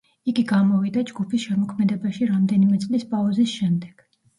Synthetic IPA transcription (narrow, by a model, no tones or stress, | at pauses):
iɡiɡamɔvid̪ad͡ʒɡupʰisʃɛmɔkʰmɛd̪ɛbaʃiɾamd̪ɛnimɛt̪sʼlispʼauzisʃɛmd̪ɛɡ̥